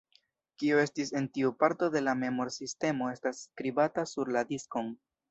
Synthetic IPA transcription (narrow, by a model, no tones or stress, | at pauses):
kioe̞stise̞ntiupaɾto̞de̞lame̞mo̞ɾsiste̞mo̞e̞stasːkɾibatasuɾladisko̞n